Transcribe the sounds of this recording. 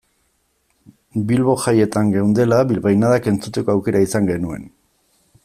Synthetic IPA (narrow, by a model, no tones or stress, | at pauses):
bilβo̞ʝaje̞t̪aŋɡeund̪e̞laβilβajnaðake̞nt͡sut̪e̞ko̞awke̞ɾaisaŋɡe̞nue̞̰n